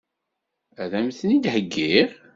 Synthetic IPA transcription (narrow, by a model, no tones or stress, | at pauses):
æðæmθnid̪həɡːiʁ